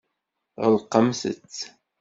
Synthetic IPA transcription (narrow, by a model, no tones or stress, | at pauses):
ʁəlqːəmsə̰t͡sː